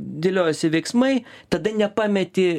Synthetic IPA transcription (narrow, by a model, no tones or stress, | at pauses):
d̪ʲɪlʲoːjsʲɪʋʲɛɪksmɐɪt̪ɐd̪ɐnʲɛpɑːmʲɛt̪ʲɪ